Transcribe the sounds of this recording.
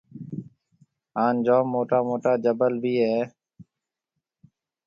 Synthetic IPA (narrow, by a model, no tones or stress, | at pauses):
ɦaːnd͡ʒoːmːoːʈaːmoːʈaːd͡ʒəbəlbʱiːɦeː